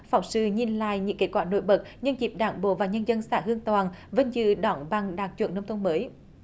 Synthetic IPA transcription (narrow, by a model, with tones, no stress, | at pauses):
fa˨˩ŋ͡msɨ̰˧˨ɲi˨˩nla̰ː˧˨jɲɨ̰˧˥ŋke˨˦˥t̚kwaː˧˩no̰˧˩jɓə˨˩t̚ɲɨ˧nzi˨˩p̚ɗaː˧˩ŋɓo̰˧˨vaː˨˩ɲə˧nzə˧nsaː˧˩hɨ˧əŋt̪waː˨˩nvə˨˧˦nzɨ̰˧˨ɗɔ˧˩nɓa˨˩ŋɗaː˨˩k̚t͡ɕwḭ˧˨ənːə˧wŋ͡mt̪ʰə˧ŋ͡mməː˨˦j